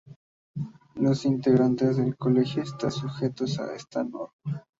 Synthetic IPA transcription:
lo̞sint̪eɣɾant̪ezðe̞lkole̞xjo̞est̪ansuxe̞t̪o̞sa̰ḛst̪ano̰ɾma

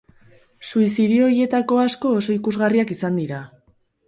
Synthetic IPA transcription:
suisiðio̞ɾje̞t̪ako̞asko̞ːso̞ikuzɣariakisand̪iɾa

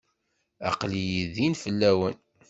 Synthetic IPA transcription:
ɑ̰qlijiðinfəlːæwən

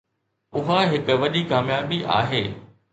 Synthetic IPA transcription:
ʊɦaɦɪkʊ̆ʋɐʄikaːmjaːbiʔa̰ːɦeː

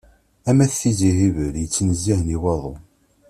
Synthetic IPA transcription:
æmæθθiziɦivəɾjət͡sːnəzːihəniwɑðˤo

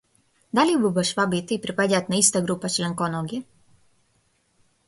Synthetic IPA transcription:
d̪alibubaʃʋabit̪iipɾipaɟʲat̪naist̪aɡɾupat͡ʃlɛŋkɔnɔɡʲi

